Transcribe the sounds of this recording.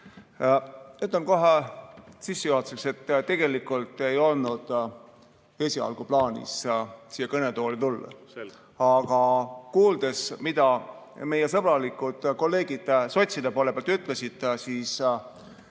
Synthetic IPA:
yt̪lenko̞ɦesisːujoot̪sekse̞t̪ːt̪ːe̞ɡ̥e̞likːˑult̪ːˑe̞jo̞lnud̪̥ | e̞ːsʲiɑ̰lɡ̥uplɑːnʲḭssijːɑkɤne̞t̪o̞ːlit̪ulːɑ̰ | ɑɡ̥ɑkuːld̪̥e̞smid̪ɑ | me̞jesɤb̥ɾɑlikud̪̥ko̞lːe̞ːɡid̪̥so̞t̪ʲsid̪epolepeɑlt̪yt̪ːˑlesid̪̥siːs

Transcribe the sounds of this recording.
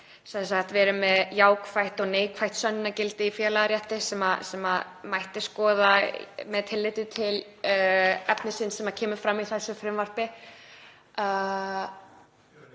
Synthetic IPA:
sɛns̬aht̪vɛːɾʏmɛðjaːwkfajht̪ɔɣneːjkʰfajht̪sœnːɪnːacɪlt̪ɪifjɛːlaɾjɛht̪ɪsɛmasɛmamajht̪ɪskɔːðamɛðt̪ʰɪlːɪt̪ʏt̪ʰɪl | ɛpnɪsɪnːsɛmacʰɛːmʏfɾamiθɛsːʏfɾɪmvar̥pɪ

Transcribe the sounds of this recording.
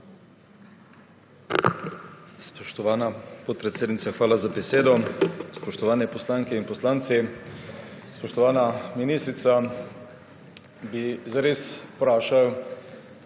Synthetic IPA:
spɔʃt̪ɔʋaːnapɔt̪̚pɾɛt̪seːd̪nit̪saxʋaːlazabɛseːd̪ɔspɔʃt̪ɔʋaːnɛpɔslaːŋkɛinpɔslaːnt̪si | spɔʃt̪ɔʋaːnaminiːst̪ɾit̪sa | bizaɾeːspɾaːʃaw

